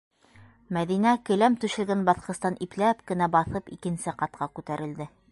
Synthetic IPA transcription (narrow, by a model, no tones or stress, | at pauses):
mæðinækɵ̆læmt̪ʉʃɘ̆lɡænbɑθqɤ̆st̪ɑnʔiplæpkɘ̆næbɑθɤpikɘ̆nsɘqɑt̪qʰɑkʉt̪æɾʔɘ̆ld̪ɘ